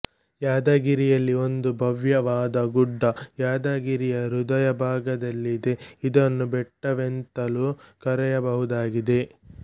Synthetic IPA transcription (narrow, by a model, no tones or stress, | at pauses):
jaːd̪ɐɡiɾijɐlːio̞nd̪ubʱɐʋjɐʋaːd̪ɐɡuɖːɐjaːd̪ɐɡiɾijɐɾud̪ɐjɐbʱaːɡɐd̪ɐlːid̪e̞id̪ɐnːubɛʈːɐʋent̪ɐlukɐɾɛjɐbɐɦud̪aːɡid̪e̞